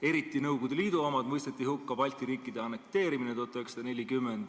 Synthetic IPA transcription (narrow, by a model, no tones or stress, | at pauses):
e̞ɾit̪ːˑinɤwɡud̪̥eliːd̪uomɑd̪̥mɤjst̪et̪ːˑihukːɑbɑlʲt̪ˑiɾiːkːˑid̪eɑne̞k̚t̪e̞ːɾiminet̪ut̪ːˑɑyøeksɑd̪̥ɑne̞lʲːikymːend̪̥